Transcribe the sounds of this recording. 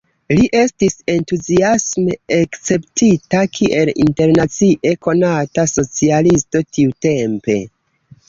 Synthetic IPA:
liʔe̞stise̞ntuziasme̞ːkt͡se̞ptitakʰiʔe̞lḭnte̞ɾnat͡siʔe̞ko̞nataso̞t͡sialisto̞tʰiute̞mpe̞̰

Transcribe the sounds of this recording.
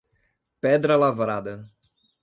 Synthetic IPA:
pɛd̪ɾɐlavɾad̪ɐ

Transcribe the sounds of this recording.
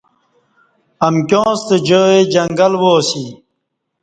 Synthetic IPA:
ɐmkjõːst̪ed͡ʑoːed͡ʑɐŋɡɐlwoːsi

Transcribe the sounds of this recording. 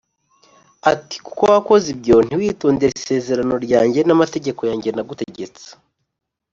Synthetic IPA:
ati̥ku̥kowako̞zibɟo̞n̥iwiːtoːndeɾise̞ːze̞ɾano̞ɾɟaːɲɟe̞namate̞ɟe̞ko̞jaːɲɟe̞naɡute̞ɟe̞t͡se̥

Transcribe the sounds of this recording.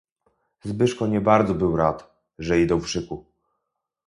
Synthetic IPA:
zbɘʂkɔɲɛbaɾd̪zɔbɘwɾat̪ | ʐɛid̪ɔwvʐɘku

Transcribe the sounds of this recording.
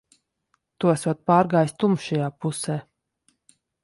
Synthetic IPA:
t̪uasvaɔd̪̚paːɾɡaːjst̪umʃajaːpusɛː

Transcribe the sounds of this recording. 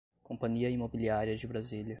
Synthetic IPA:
kõpɐ̃ɲiɐimobiliaɾiɐd͡ʒɪbɾazilɐ

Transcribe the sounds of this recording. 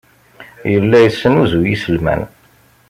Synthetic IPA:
jəlːæjəsːənuzujisəlmæ̰n

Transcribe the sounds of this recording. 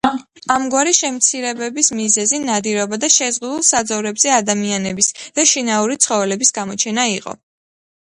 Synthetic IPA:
amɡwaɾiʃɛmt̪sʰiɾɛbɛbismizɛzinad̪iɾɔbad̪aʃɛzʁud̪ulˠsad̪zɔvɾɛbz̥ɛad̪amianɛbisd̪̥aʃinauɾit̪sʰχɔvɛlɛbisɡ̥amɔt͡ʃʰɛnaiqʼɔ̰

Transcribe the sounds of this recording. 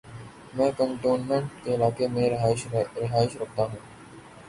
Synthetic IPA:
mɛ̃ːkə̃ɳʈoːnmẽɳʈkeɪlaːkemẽɾɪɦaːɪʃɾɪɦaːɪʃɾɐk̚ʰt̪aɦũː

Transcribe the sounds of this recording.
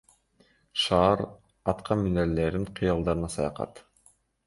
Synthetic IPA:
ʃɑːɾ | ɑt̪qʰɑnmyneɾleɾd̪iɴqʰɯjɑlˠd̪ɑɾɯnɑsɑjɑ̰qɑ̰t̪

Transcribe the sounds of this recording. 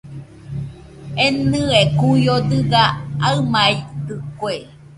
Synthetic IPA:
enɨekujod̪ɯɡaaɨmait̪ɨkwe

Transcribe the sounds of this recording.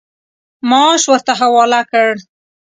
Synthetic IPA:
mɑʃwəɾt̪aɦawɑlakəɽ

